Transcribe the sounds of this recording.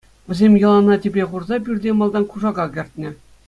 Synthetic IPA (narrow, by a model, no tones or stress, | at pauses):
ʋʲɘ̆zʲemʲjɤ̆lˠɑnɑtʲeplʲeχurzɑpʲyrʲdʲemɑlˠd̪ɑnkuʐɑɡɑɡʲɘ̆rʲtʲnʲɘ̆